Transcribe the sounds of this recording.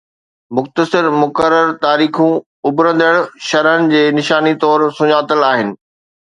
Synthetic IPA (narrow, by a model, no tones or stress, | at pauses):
mʊxt̪əsɪɾmʊkəɾːəɾt̪aːɾiːxũ | ʊbɾə̃nd̪əɽ̃ʃɐɾɦənɪ̆d͡ʑeːnɪʃaːnit̪ɔːɾsʊɲaːt̪əlaːɦɪnɪ̆